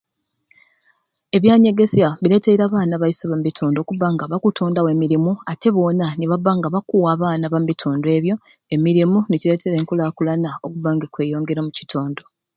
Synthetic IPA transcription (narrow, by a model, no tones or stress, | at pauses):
e̞βjaːɲe̞ɡe̞zjaβiɾe̞teiɾaːβaːnaβajisoβambitʰoːndo̞ːkuβaŋɡaβakutʰoːndawe̞ːmiɾimuate̞βo̞ːnaniβaβaŋɡaβakuwaːβaːnaβambitʰoːndoe̞ːβjo̞ | e̞miɾimuniciɾe̞tʰeɾeːŋkulakulanaokuβaːŋɡakwe̞ːjo̞ːŋɡe̞ɾomuci̥tʰoːndo̞